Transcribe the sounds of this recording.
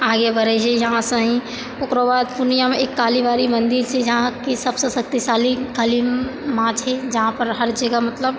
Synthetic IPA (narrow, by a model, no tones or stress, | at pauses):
aːɡebʱəɾɛɦejɐɦãsə̃ɦĩ | ʊkɾoʋaːd̪pʊnijameːkːaːliʋaːɾimɐ̃nd̪iɾsed͡ʒɐɦãkisɐbsesɐk̚t̪iʃaːlikalimmãːt͡ʃʰed͡ʒɐɦãpəɾɦəɾd͡ʒəɡəmɐt̪ləb